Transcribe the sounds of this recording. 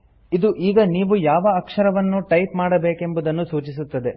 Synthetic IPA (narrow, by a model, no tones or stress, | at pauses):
id̪uʔiːɡɐniːʋujaːʋɐːkʂɐɾɐʋɐnːuʈɐjpmaːɽɐbe̞ːke̞mbud̪ɐnːusuːt͡ʃis̬ut̪ːɐd̪e̞